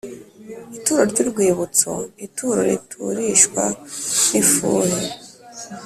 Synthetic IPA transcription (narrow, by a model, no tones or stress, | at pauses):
ituːɾo̞ɾɟuɾɡwiːβut͡so̰ituːɾo̰ɾḭtʰuɾiʃkwa̰nifṵːɾe